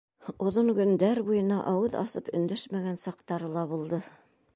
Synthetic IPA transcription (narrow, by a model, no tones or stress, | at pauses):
ŏðoɴɡɵ̆nd̪æɾbujɤ̆nɑʔɑwɤðɑ̰sɤpɵ̆nd̪ɵʃmæɡænsɑqt̪ɑɾɤlˠɑβulˠd̪ɤ